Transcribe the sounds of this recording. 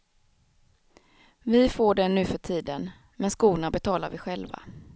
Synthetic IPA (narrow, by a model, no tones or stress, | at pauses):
vɪfoːɖɛnːʉ̟ːfœʈʰiːd̪ən | mɛnskuːnabɛt̪ʰɑːlaɾvɪɧɛlva̰